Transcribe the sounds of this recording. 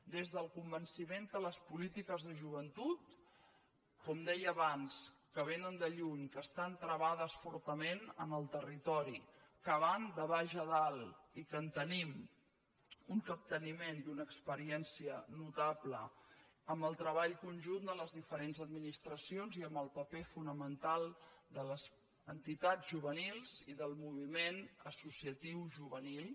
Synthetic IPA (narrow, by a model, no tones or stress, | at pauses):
d̪ezðəlˠkumbənsimeŋkələspulit̪ikəzðəʒuβənt̪ut̪ | kɔmd̪ɛjəːβanskəβenənd̪əʎuɲkəst̪ant̪ɾəβað̞əsfɔɾt̪əmenə̰nəlˠt̪ərit̪ɔɾi | kəβand̪əβaʒəðalˠikənt̪ənim | uŋkəp̚t̪ənimend̪unəːkspəɾiɛnsiənut̪aplə̰ | əmbəlˠt̪ɾəβaʎkunʲʒund̪ələzðifəɾenzəd̪minist̪ɾəsionziəmbəlˠpəpefunəmənt̪alˠd̪ələz | ənt̪it̪ad͡zzʒuβənilˠz̥iðəlˠmuβ̞imenəsusiət̪iwʒuβənilˠ